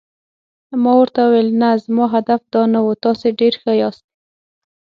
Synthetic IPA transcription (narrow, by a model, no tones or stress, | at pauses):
mɑwəɾt̪awuwelnazmɑɦad̪afd̪ɑnawut̪ɑseɖeɾxəjɑst̪̚